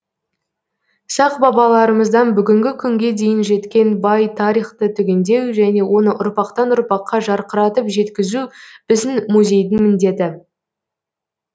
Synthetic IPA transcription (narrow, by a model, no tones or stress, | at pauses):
sɑqbɑbɑlˠɑɾəməzd̪ɑnbʏɡʲɪŋɡʲɪkʲʰʏŋɡʲe̞d̪e̞jɪnʒe̞t̪kʲe̞nbɑjt̪ʰɑɾijχt̪ət̪ʰʏɡʲe̞nd̪e̞wʒæne̞wʔo̞nəʔʊɾpɑqt̪ɑnʊɾpɑqːɑʒɑɾqəɾɑt̪əpʒe̞t̪kʲɪzub̥ɪzɪnmuzʲe̞jd̪ɪŋmɪnd̪e̞t̪ɪ